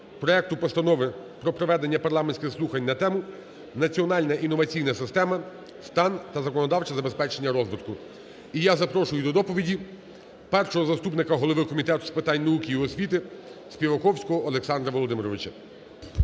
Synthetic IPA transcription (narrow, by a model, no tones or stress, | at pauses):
pɾɔɛk̚t̪ʊpɔst̪ɐnɔʋɪpɾɔpɾɔʋɛd̪enʲːɐpɐrlˠɑmenʲsʲkʲɪxslˠuxɐnʲnɐt̪ɛmʊ | nɐt͡sʲiɔnɑlʲnɐʔinːɔʋɐt͡sʲijnɐsɪst̪ɛmɐ | st̪ɑnt̪ɐzɐkɔnɔd̪ɑwt͡ʃɐzɐbespɛt͡ʃenʲːɐɾɔzʋɪt̪kʊ | ijazɐpɾɔʃʊjʊd̪ɔd̪ɔpɔʋʲidʲi | pɛrʃɔɦɔzɐst̪upnɪkɐɦɔlˠɔʋɪkɔmʲit̪ɛt̪ʊ̥spɪt̪ɑnʲnɐukʲiiɔsʲʋʲit̪ɪsʲpʲiʋɐkɔwsʲkɔɦɔːlˠeksɑnd̪ɾɐʋɔlˠɔd̪ɪmɾɔʋɪt͡ʃɐ